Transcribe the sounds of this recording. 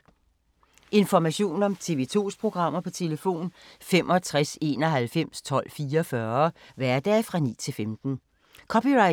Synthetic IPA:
ʔe̝nfɒmæɕo̝̰ːn̩ɒ̽mt͡sʰe̝ʋe̝t͡sʰo̝̰ːspʰʁo̝ɡ̥ʁɑ̈m̰ɐpʰɒ̽t͡sʰe̝ləfo̝̰ːnfemʔɒ̽t͡sʰʁase̝̰ːnɒ̽ɦælfem̰st͡sʰɒ̽l̰fiːɒfɶɐʋæɐd̥ɛ̰ːfʁɑ̈nḭːt͡sʰe̝lfemd̥n̩ | kʰɒ̽piʁɑɪ

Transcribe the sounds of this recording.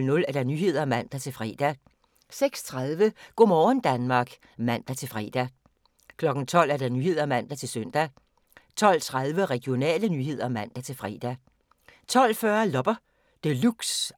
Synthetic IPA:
lnɔ̽læɐɾ̥ɑnyːhe̝ð̞̰ˠɐmæn̰d̥æt͡sʰe̝lfʁɛ̰ːd̥æ | seɡ̥st͡sʰʁaðˠʋəɡ̥ɔ̰mɒːnd̥ænmɑ̈ːɡ̥ | mæn̰d̥æt͡sʰe̝lfʁɛ̰ːd̥æ | kʰlɒ̽ɡ̥n̩t͡sʰɒ̽l̰æɐd̥ɑ̈nyːhe̝ð̞ˠɐmæn̰d̥æt͡sʰe̝lsœn̰d̥æ | t͡sʰɒ̽l̰t͡sʰʁaðˠʋəʁɛɡ̥ijo̝nɛ̰ːlənyhe̝ð̞̰ˠɐmæn̰d̥æt͡sʰe̝lfʁɛ̰ːd̥æ | t͡sʰɒ̽l̰fɶːɐlɒ̽b̥ɐ | d̥eluɡ̥s

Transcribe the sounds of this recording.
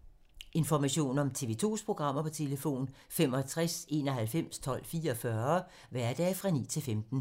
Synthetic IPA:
e̝nfɒmæɕo̝̰ːnɒ̽mt͡sʰe̝ʋe̝t͡sʰo̝̰ːspʰʁo̝ɡ̥ʁɑ̈m̰ɐpʰɒ̽t͡sʰe̝ləfo̝̰ːn | femɒt͡sʰʁase̝̰ːnɒ̽ɦælfem̰st͡sʰɒ̽l̰fiːɐɒfɶɐ | ʋæɐd̥ɛːfʁɑ̈nḭːt͡sʰe̝lfemd̥n̩

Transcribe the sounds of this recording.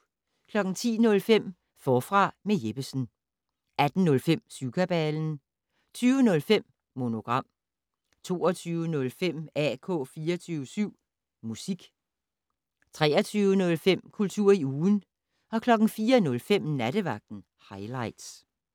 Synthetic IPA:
kʰlɒ̽ɡ̥n̩t͡sʰḭːnɔ̽lfem̰ | fɒːfʁɑ̈meje̝b̥əsn̩ | æd̥n̩nɔ̽lfem̰sykʰæb̥ɛln̩ | t͡sʰyːʊənɔ̽lfem̰ | mo̝no̝ɡ̥ʁɑ̈m̰ | t͡sʰo̝̰ːɒt͡sʰyːʊənɔ̽lfem̰ækʰɔ̰̽ːfiːɐt͡sʰyːʊəsyʊ̰ | musiɡ̥ | t͡sʰʁɛ̰ːɐt͡sʰyːʊənɔ̽lfem̰kʰult͡sʰuɐ̰iuːn̩ | ɒ̽kʰlɒ̽ɡ̥n̩fiːɐnɔ̽lfem̰næɾəʋɑ̈ɡ̥̚d̥n̩ | hɑ̈ɪlɑ̈ɪd̥s

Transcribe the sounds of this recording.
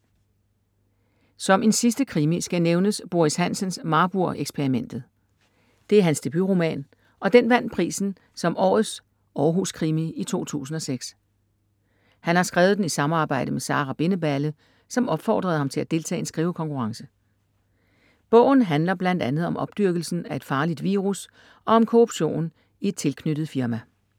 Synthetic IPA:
sɒ̽me̝nsisd̥əkʰʁimisɡ̥æneʊnəsb̥o̝ishæn̰sənsmɑ̈ːb̥uɐ̰ʔeɡ̥spʰeʁimen̰d̥ð̩ˠ | d̥e̝æɐænsd̥e̝b̥yʁo̝mɛ̰ːn | ʔɒ̽d̥enʋæn̰pʰʁḭːsn̩ | sɒ̽mʔɒ̰ːð̩ˠs | ɒːɦuskʰʁimiit͡sʰo̝̰ːt͡sʰṵːs̬n̩ɒ̽seɡ̥s | hænhɑ̈sɡ̥ʁɛːʊðˠd̥enisɑ̈mɑ̈ːb̥ɑ̈ɪ̰dəmesɑ̰̈ːʁɑb̥e̝nəb̥ælə | sɒ̽mɒ̽b̥fɒ̰ːd̥ʁɐð̞̩ˠhɑ̈mt͡sʰe̝læd̥e̝lt͡sʰɛ̰ːe̝nsɡ̥ʁiːʊəkʰɒ̽ŋkʰuʁɑ̈ŋsə | b̥ɔ̽ʊ̰n̩ɦænlɐb̥læn̰d̥ænð̞̩ˠɒ̽mʔɒ̽b̥̚d̥yɐɡ̥l̩sn̩æe̝d̥fɑ̈ːlid̥ʋiːʁus | ʔɒ̽ɒ̽mkʰoʁub̥ɕo̝̰ːn | ie̝d̥̚t͡sʰe̝lkʰnyd̥ð̞̩ˠfiɐmæ

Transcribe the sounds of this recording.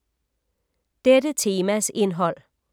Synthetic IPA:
d̥edət͡sʰe̝ːmæse̝nɦɒ̽l̰

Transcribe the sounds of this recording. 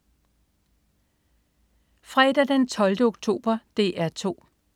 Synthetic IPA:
fʁɛd̥æd̥ent͡sʰɒ̽ld̥əoɡ̥̚t͡sʰo̝̰ːb̥ɐd̥e̝̰ːʔæɐt͡sʰo̝̰ː

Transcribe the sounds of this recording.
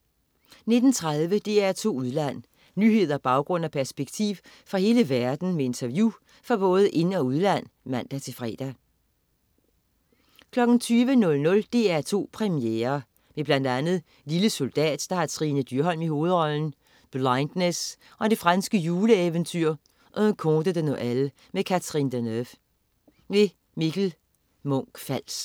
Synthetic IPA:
ne̝d̥n̩t͡sʰʁað̞ˠʋəd̥e̝æɐt͡sʰo̝̰ːuð̞ˠlæn̰ | nyːɦe̝ð̞̰ˠɐb̥ɑ̈ʊɡ̥ʁɔ̽n̰æpʰæɐsb̥eɡ̥t͡sʰḭːʊ | fʁɑ̈he̝ːləʋæɐd̥n̩mee̝nt͡sʰɐʋju | fʁɑ̈b̥ɔ̽ːð̞ˠʔe̝nɒ̽uð̞ˠlæn̰mæn̰d̥æt͡sʰe̝fʁɛ̰ːd̥æ | kʰlɒ̽ɡ̥n̩t͡sʰyːʋənɔ̽lnɔ̽ld̥e̝æɐt͡sʰo̝̰ːpʰʁɛmieːɐ | meb̥læn̰d̥ænð̞̩ˠ | liləso̝ld̥ɛ̰ːd̥d̥ɑ̈hɑ̈t͡sʰʁiːnəd̥yɐɦɒ̽l̰miho̝ːð̞̩ˠʁɒ̽ln̩ | b̥lɑɪnd̥nes | ʔɒ̽d̥e̝fʁɑnsɡ̥əjuːləeʋənt͡sʰyɐ̰ | ʔɒnkʰɔd̥əd̥enɔʔælə | mekʰæt͡sʰʁind̥enøf | ʋe̝ | miɡ̥l̩ | mɔ̽ŋ̰ɡ̥fæl̰s

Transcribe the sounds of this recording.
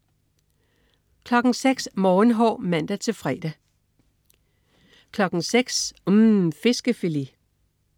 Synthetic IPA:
kʰlɒ̽ɡ̥n̩seɡ̥smɒːn̩ɦɒ̰ːmæn̰d̥æt͡sʰe̝fʁɛ̰ːd̥æ | kʰlɒ̽ɡ̥n̩seɡ̥smfe̝sɡ̥əfeli

